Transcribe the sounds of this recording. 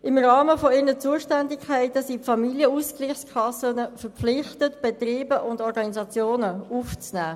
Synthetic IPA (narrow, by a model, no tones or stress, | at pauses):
ɪmʁɑːməfɔɪɾnət͡suːəʃtɛndikʰɛɪtəsiːpfɑmiljəuskliːχskʰɑsənəfəɾpflɪχtətb̥etʁiːbəʔʊndɔɾɡɑnizɑt͡sjoːnəuft͡snæː